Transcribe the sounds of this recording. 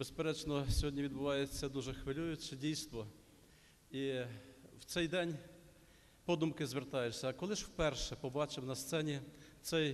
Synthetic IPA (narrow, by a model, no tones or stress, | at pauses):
b̥espeɾɛt͡ʃnɔsʲɔɦɔdʲnʲiʋʲid̪bʊʋɑjet͡sʲːɐd̪uʒɛxʋɪlʲujʊt͡ʃɛdʲijst̪ʋɔ | i | wt̪sɛjd̪ɛnʲ | pɔd̪umkɪzʋert̪ɑjʊʃsʲɐːkɔlˠɪʒwpɛrʃɛpɔbɑt͡ʃɪmnɐst̪sɛnʲit̪sɛj